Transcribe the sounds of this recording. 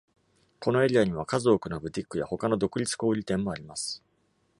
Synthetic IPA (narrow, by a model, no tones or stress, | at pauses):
ko̞no̞e̞ɾʲiaɲ̟iβ̞akazo̞ːkɯ̟nobɯ̟t̪ʲikːɯja̰ho̞kano̞d̪o̞kɯ̟ɾʲit͡sɨ̥ko̞ːɾʲit̪ẽ̞mːo̞aɾʲimasɨ̥